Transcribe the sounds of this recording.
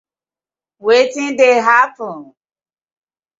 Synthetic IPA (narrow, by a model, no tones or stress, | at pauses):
wetɪ̃ndeɦapɔ̃n